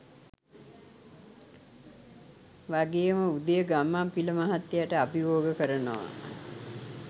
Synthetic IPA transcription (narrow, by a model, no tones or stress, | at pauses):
ʋaɡeːməud̪əjəɡamːampiləmaɦat̪ːejaʈəabiʋoːɡəkəɾənoʋa̰